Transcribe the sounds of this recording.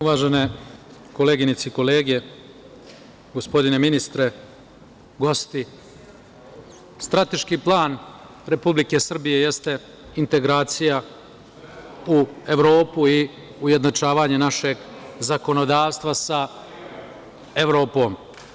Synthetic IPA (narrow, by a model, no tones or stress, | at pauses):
uʋaːʒeneko̞leːɡinit̪seiko̞le̞ːɡe | ɡospo̞d̪ine̞minist̪ɾe̞ | ɡo̞st̪i | st̪ɾat̪e̞ʃkiplˠaːn | ɾe̞publike̞sr̩bije̞je̞st̪e̞ | int̪e̞ɡɾaːt̪sija | ue̞ʋɾo̞ːpui | uje̞d̪not͡ʂaːʋaːɲe̞naʃe̞ɡzako̞no̞d̪aːʋst̪ʋasa | eʋɾo̞ːpo̞ːm